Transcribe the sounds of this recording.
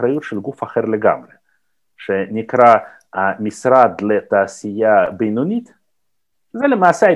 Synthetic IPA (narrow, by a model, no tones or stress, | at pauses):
ɾajut̪ʃelɡufaχeɾleɡa̰mɾe | ʃenʲikɾa | misɾad̪let̪aːsijabejnunʲit̪ | zɛlemaːsea